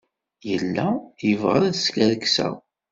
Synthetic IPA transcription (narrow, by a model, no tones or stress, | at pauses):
jəlːæjəvʁəɾæðskæɾəksæ̰